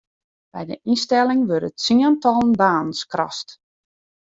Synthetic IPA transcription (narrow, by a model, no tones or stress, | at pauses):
b̥ɛjdə̰ʔinstɛlˠɪŋʋøɾətsiəntɔlˠənbaːnən̩skrɔ̰st